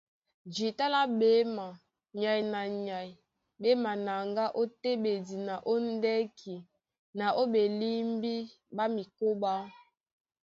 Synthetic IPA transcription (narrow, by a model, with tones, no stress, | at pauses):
d͡ʒi˨ta˦la˦be˦ma˨ | ɲa˨ji˨na˨ɲa˨j | be˦ma˨na˨ŋɡa˦ʔo˦te˦be˨di˨na˨ʔo˦n˦dɛ˦kʰi˨ | na˨ʔo˦be˨li˦mbi˦ | ba˦mi˨ko˦ba˦